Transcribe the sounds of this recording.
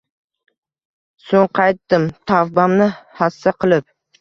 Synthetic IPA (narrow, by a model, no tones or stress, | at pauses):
soŋqʰɑjt̪ːɪmt̪ʰafbamnɪhasːaqʰɨlˠɪp̚